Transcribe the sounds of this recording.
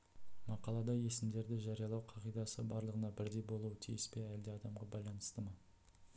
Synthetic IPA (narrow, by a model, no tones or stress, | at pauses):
mɑqɑlˠɑd̪ɑje̞sɪmd̪e̞ɾd̪ɪʒɑɾijɑlˠɑwqʰɑʁijd̪ɑsəbɑɾlˠəʁənɑbɪɾd̪e̞jbo̞lˠuwət̪ʰijɪspe̞æld̪eɑd̪ɑmʁɑbɑjlˠɑnəst̪əmə